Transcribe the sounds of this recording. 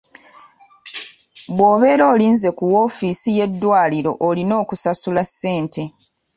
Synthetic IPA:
βwo̞ːβe̞ːɾo̞ːliːnze̞kuwofiːsije̞dːwaːliɾo̞̰ʔolino̞ːkusasulasːe̞ːnte̞

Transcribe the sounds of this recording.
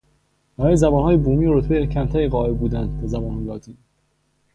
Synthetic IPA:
b̥æɾɒːjezæbɒːnhɒːjebuːmiːoɾot̪ʰbejecʰæmt̪ʰæɾiɣɒːebbuːd̪ænd̪d̪æzæbɒːnhɒjlɒːt̪ʰiːn

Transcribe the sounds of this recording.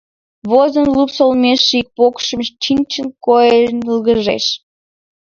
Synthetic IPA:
βozənlupsolmʲeʃːik̚pokʃə̆mʃt͡ɕinʲt͡ɕə̆nkojenəlɣə̆ʒḛʃ

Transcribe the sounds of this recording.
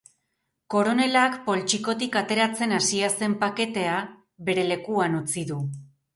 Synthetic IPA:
ko̞ɾo̞ne̞lakpo̞lt͡ʃiko̞t̪ikat̪e̞ɾat͡se̞nasiase̞mpake̞t̪e̞a | βe̞ɾe̞le̞kuanut͡siðu

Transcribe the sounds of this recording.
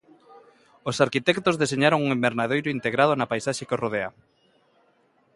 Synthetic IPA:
osaɾkit̪ɛkt̪ozðeseɲaɾoŋuŋembeɾnaðejɾoʊint̪eɣɾað̞onapajsaʃekoroðea

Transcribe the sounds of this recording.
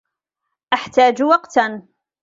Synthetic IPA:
ʔaħt̪aːd͡ʒwɑqt̪

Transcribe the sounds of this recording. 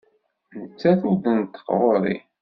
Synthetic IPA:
nət͡sːæθudənt̪ːə̥qʁˤoɾḭ

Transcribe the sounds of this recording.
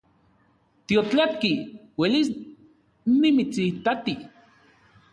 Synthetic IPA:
t̪iot͡ɬat̪̚kiwelis | nimit͡siht̪at̪i

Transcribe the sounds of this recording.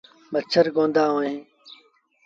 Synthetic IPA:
mət͡ɕʰəɾɡõːnd̪aːɦõːnẽː

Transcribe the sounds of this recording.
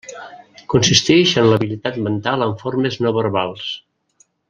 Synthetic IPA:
kunsist̪ɛʃənləβilit̪at̪mənt̪aləɱfoɾmeznɔβəɾβalˠs

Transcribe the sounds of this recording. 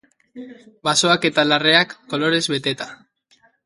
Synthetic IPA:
baso̞ake̞t̪alare̞akːo̞lo̞ɾe̞zβe̞t̪e̞t̪a

